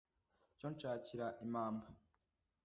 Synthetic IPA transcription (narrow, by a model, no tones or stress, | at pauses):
coːnt͡ʃaːciɾaʔimaːmbo